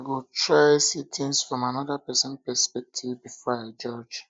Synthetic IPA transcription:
aɡotʰɹasitʰĩnsfɹɔ̃manɔdapɛsɔ̃npɛspɛk̚tʰivbifɔaɪd͡ʒɔd͡ʒ

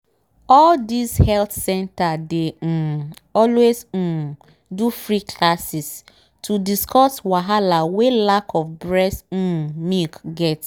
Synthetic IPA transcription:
ɔldishɛltsɛ̃ntade | ɔlwez̩ | dufɹikʰlasis | tudiskɔswaɦalawelakʰɔfbɹɛs̩mikɡɛt

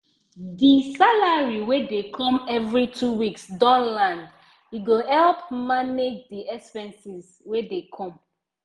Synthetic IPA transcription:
disalaɹiwedekʰɔ̃mɛvɹitʰuwiksdɔ̃nlãnd | jiɡohɛlpmaned͡ʒdiʔɛkspɛ̃nsiz | wedekʰɔ̃m

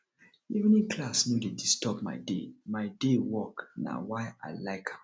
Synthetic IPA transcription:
ivnĩkʰlasnuledistɔpma̰ɪdemaɪdewɔkna̰waɪa̰ɪlaɪkʰhã

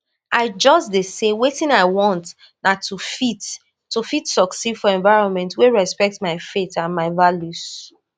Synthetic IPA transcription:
aɪd͡ʒɔsdesewetĩnaɪwɔ̃nt | natʰufit | tːufitsɔksidfɔɛ̃ɱvaɪɹɔ̃nmɛ̃ntweɹɛspɛk̚tmaɪfetãnmaɪvaljus

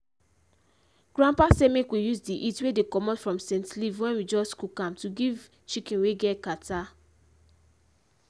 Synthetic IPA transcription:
ɡ̥ɹãmpasɛmekwijuzdiʔitwedekɔmɔtfɹɔ̃msɛ̃ntlivwɛ̃nwid͡ʒɔstkukãmtuɡiv | t͡ʃikĩnweɡɛtkata

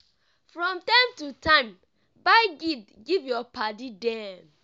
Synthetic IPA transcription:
fɹɔ̃mtãɪ̃mtutãɪ̃m | baɪɡid | ɡivjɔpadidɛ̃n

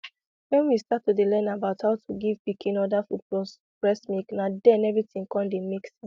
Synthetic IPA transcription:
wɛ̃nwistatːudelɛ̃nabaʊthaʊtʰuɡivpikʰĩnɔdafudbɔs | pɹɛsmiknadɛ̃nɛvɹitĩŋkɔ̃ndemiksĩ

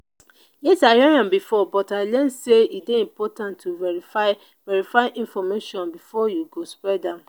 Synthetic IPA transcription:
letajɛɦãmbifɔbɔtalɛ̃nseideĩmpʰɔtãntʰːuveifa | vɛɹifaɪʔĩnfɔmeʃɔ̃nbifɔjuɡospɹɛdãm

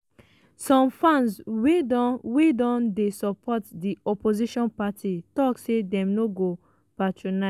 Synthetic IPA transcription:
sɔ̃mfãnsweɔwedɔ̃ndesɔpʰɔtdiɔpoziʃɔ̃npatitɔksedɛ̃mnoɡo | patʰɹɔna

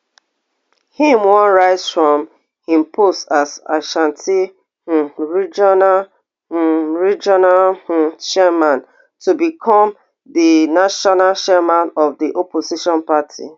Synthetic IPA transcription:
hĩmwɔ̃nɹaɪzfɹɔ̃m | ĩmpʰostaza̰ʃãntʰi | ɹid͡ʒɔna | ɹid͡ʒɔnalʃɛmãn | tubikʰɔm | dinaʃɔnalt͡ʃɛmãnɔvdiʔɔposiʃɔ̃npatʰḭ

